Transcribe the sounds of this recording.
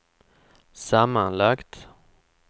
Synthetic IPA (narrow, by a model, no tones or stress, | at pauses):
samːanlakt̪